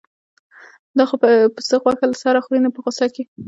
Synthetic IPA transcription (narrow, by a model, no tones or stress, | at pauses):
d̪ɑxopəpəsəɣwɑxalasaɾaxuɾinapəɣosake